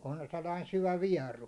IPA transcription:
on selːɑin syʋæ ʋiɛru

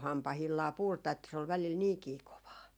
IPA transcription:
hɑmpɑhilːɑː purtɑ etːæ se ol ʋælil niːkiː koʋɑː

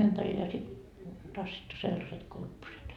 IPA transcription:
ympæril jɑ sit tɑsːitːu selːɑset kurpːoset

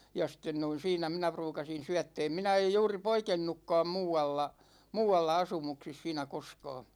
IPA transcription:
jɑ sĭtˑen noin siːnæ minæ pruːkɑsin̞ syætːɛːm minæ ej juːri poikenːukːɑːm muːɑlːɑ muːɑlːɑ ɑsumuksis siːnæ koskɑː

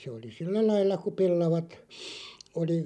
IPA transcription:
se oli silːæ lɑilːɑ ku pelːɑʋɑt oli

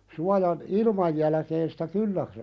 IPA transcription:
suɑjɑn ilmɑj jælæ̆keːn sitæ kylːæ

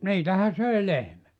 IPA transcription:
niːtæhæ søi lehmæt

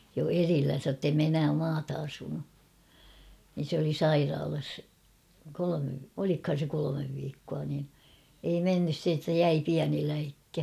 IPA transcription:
jo erilːæn̞sæ ŏtːei me enæː mɑːtɑ ɑsunu nin̞ s oli sɑirɑːlɑs kolome olikhɑn̞ se kolomeʋ ʋiːkːuɑ nin ei menːys se etːæ jæi piæni læikːæ

